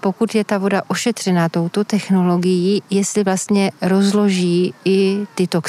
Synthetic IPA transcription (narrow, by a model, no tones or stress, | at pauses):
po̞kut̪jɛt̪avo̞daʔo̞ʃɛt̪r̥ɛnat̪o̞wt̪o̞t̪ɛxno̞lo̞ɡɪjiːjɛst̪lɪvlast̪ɲɛɾo̞zlo̞ʒiːɪt̪ɪt̪o̞k